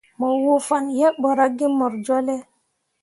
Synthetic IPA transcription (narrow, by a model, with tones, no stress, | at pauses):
mo˨wo˨fa˨nje˦bɔ˨ɾa˦ɡi˦mɔ˨ɾd͡ʒo˦le˦